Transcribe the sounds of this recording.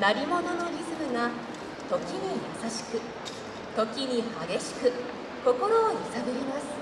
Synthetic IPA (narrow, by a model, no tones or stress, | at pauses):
naɾʲimo̞no̞no̞ɾʲizɨbɯ̟ŋa | t̪o̞kʲiɲ̟ijosaɕi̥kɯ | t̪o̞kʲiɲ̟ihaɡʲe̞ɕi̥kɯ̟ | ko̞ko̞ɾo̞ːisabɯɾʲimasɨ̥